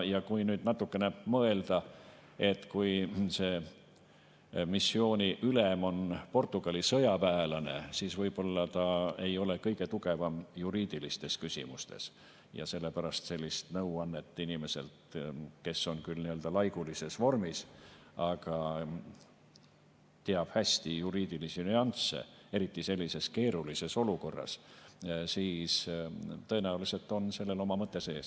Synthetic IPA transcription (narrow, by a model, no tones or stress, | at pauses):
jɑkujnyːd̪nɑt̪ːˑukːˑe̞nemɤe̞ld̪̥ɑ | e̞t̪ːkujseː | misːio̞ːnʲiʔylemo̞npo̞rt̪ːˑuɡ̥ɑlʲisɤjɑpæeːlɑne̞̰siːsvɤjb̥o̞lːɑt̪ɑe̞jo̞le̞kɤ̞jɡ̥e̞t̪uɡ̥e̞vɑmjuɾiːd̪̥ilist̪e̞skysʲḭmust̪e̞̰s | jɑ̰se̞lːe̞pæɾɑst̪se̞lʲːist̪nɤwɑnːe̞t̪ːˑinime̞se̞̰lt̪ke̞so̞nkylniø̞ld̪ɑlɑjɡulise̞svo̞rmis | ɑɡ̥ɑ | t̪e̞ɑb̥hæsʲt̪ijuɾiːd̪̥ilisinyɑnsḛe̞ɾit̪ˑːise̞lʲːise̞ske̞ːɾulise̞so̞luko̞rːɑ̰s | siːst̪ɤenæulise̞lt̪ːˑo̞nse̞lːe̞lo̞mɑmɤt̪ˑːe̞se̞ːs